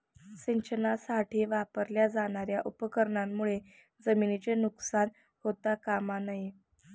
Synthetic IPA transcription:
siɲt͡ɕənasaʈiːʋapəɾljad͡zaɽ̃aɾjaʔupəkəɾɳamːuɭe | d͡zəminit͡ɕenuksan | hot̪akamanaje

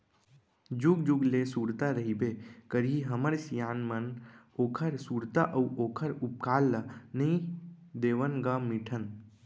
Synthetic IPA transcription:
d͡ʒuɡd͡ʒuɡlesuːɾt̪aɾəɦibekəɾiɦəməɾsijaːnmən | oːkʰəɾsuːɾt̪aʔɐuʔoːkʰəɾʊp̚kaːlːanəĩ | d̪eːʋənɡamɪʈʰən

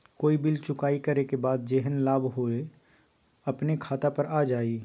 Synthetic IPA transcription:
koːibɪlt͡ʃʊkaːikɐɾekebaːd̪̚d͡ʒeɦənlaːbɦoe | ɐpnekʰaːt̪apəɾaːd͡ʒaːi

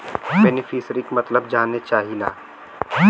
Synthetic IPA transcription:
bɛːnɪfʰiːsəɾikmɐt̪ləbd͡ʒaːnet͡ʃaːɦila̰ː

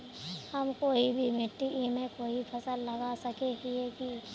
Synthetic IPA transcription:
hɐmkoːibʱimɪt̪ːiʔimẽkoːipʰɐsəlːɐɡasəkeɦieki

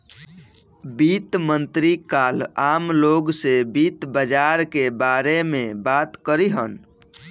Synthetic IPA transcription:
bit̪mənt̪ɾikalamloɡsebit̪bəd͡ʒaɾkebaɾemẽbat̪kəɾiɦən

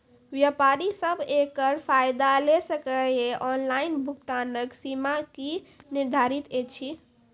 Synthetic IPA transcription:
ʋjapaɾisəbʱekəɾpʰajd̪alesəkəjeʔɔnlainbʱukt̪anəksimakiniɾd̪ʱaɾit̪et͡ʃʰi

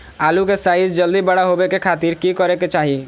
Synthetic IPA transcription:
aːlukesaːɪsd͡ʒəld̪ibɐɽaɦobekekʰaːt̪iːɾkikɔɾeket͡ʃaːɦi

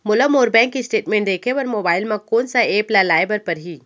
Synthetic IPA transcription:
mʊləmoːɾbɛ̃ːŋkːisʈeːʈmẽɳʈd̪eːkʰeʋəɾmoːbaːɪlmãkoːnsaeːplalaːɪbəɾpɐɾɦiː

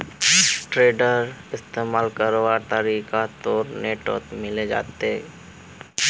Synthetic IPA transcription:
ʈɾeːɖəɾɪst̪eːmaːlkəɾʋat̪əɾiːkat̪oːɾneːʈo̰ːt̪mɪled͡ʒa̰ːt̪eɦɛ̰

